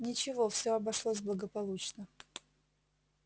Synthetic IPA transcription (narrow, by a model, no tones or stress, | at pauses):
nʲɪt͡ɕɪvofsʲoɐbɐʂlˠos̬ʲblˠəɡəpɐlˠut͡ɕnə